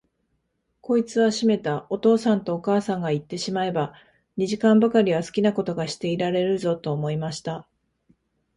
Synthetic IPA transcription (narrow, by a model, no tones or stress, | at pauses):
ko̞it͡sɨβaɕime̞t̪ao̞t̪o̞ːsãnt̪o̞ːkaːsãŋɡait̪ːe̞ɕimae̞ba | ɲ̟iʑikãmbakaɾʲiβ̞asɨ̥kʲinako̞t̪o̞ɡaɕi̥t̪e̞iɾaɾe̞ɾɯ̟zo̞t̪o̞ːmo̞imaɕi̥t̪a